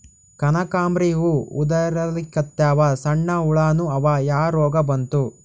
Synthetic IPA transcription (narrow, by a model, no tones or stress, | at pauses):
kɐnɐkaːmbɾiʋuṵd̪ɐɾɐlikːɐt̪jaːʋɐsɐɳːɐuɭaːnuɐʋajaːɾɔːɡɐbɐnt̪u